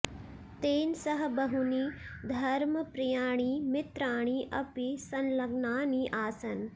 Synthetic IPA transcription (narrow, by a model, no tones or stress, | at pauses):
t̪eːnsɐɦɐbɐɦunid̪ʱɐɾmɐpɾɐjaːɳ̃iːmɪt̪ɾaːɳ̃iʔɐpisɐnlɐɡnaːniʔaːsɐn